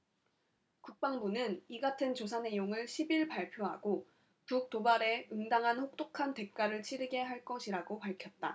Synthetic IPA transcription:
kuk̚p͈aŋbunɯniɡatʰɯnt͡ɕosʰane̞joŋɯɭɕʰibiɭpaɭpʰjoɦa̰ɡ̥o | puk̚t͈obaɾe̞ɯŋdaŋɦanɸok̚t͈okʰante̞k̚k͈aɾɯɭt͡ɕʰiɾɯɡe̞ɦaɭk͈ʌɕʰiɾaɡopaɭkʰjʌt̚t͈a̰

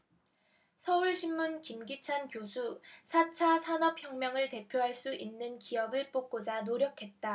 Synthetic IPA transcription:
sʰʌuɭɕʰimːunkimɡit͡ɕʰankjosʰusʰat͡ɕʰasʰanʌp̚çjʌŋmjʌŋɯɭte̞pʰjoɦaɭs͈uʔinːɯnkijʌɡɯɭp͈ok̚k͈od͡ʑanoɾjʌkʰe̞t̚t͈a

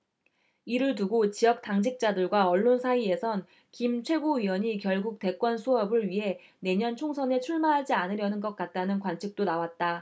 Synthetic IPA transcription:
iɾɯɭtuɡot͡ɕijʌk̚t͈aŋd͡ʑʰik̚t͡ɕ͈adɯɭɡwaʌɭːonsʰaie̞sʰʌn | kimt͡ɕʰwe̞ɡoɥiwʌɲikjʌɭɡuk̚t͈e̞k͈wʌnsʰuɦʌbɯɭɥiɦe̞ne̞ɲʌnt͡ɕʰoŋsʰʌne̞t͡ɕʰuɭmaɦad͡ʑianɯɾjʌnɯnɡʌk͈̚at̚t͈anɯnkwant͡ɕʰik̚t͈onawat̚t͈a

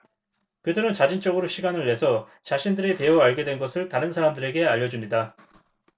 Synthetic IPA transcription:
kɯduɾɯnt͡ɕad͡ʑint͡ɕ͈ʌɡɯɾoɕʰiɡanɯɭːe̞sʰʌ | t͡ɕaɕʰindɯɾipe̞oaɭɡe̞dwe̞nɡʌsʰɯɭtaɾɯnsʰaɾamdɯɾe̞ɡe̞aʎːʌd͡ʑumɲida

